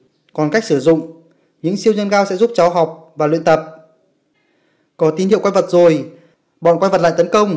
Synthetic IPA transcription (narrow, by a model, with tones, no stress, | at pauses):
kɔ˨˩nka˦˥jk̚sɨ˧˩zʊ̰˧˨ŋ͡m | ɲɨ̰˧˥ŋsi˧əwzə˧nɣaː˧wsɛ̰˧˥zu˦˥p̚t͡ɕɔ˨˦wɦa˨˩wk͡p̚vaː˨˩lwḭ˧˨ənt̪ə˨˩p̚ | kɔ˨˦t̪i˨˦nhḭ˧˨kwa˧jvə˨˩t̚zo˨˩j | ɓɔ̰˧˨nkwa˧jvə˨˩t̚la̰ː˧˨t̪ə˨˦nkə˧wŋ͡m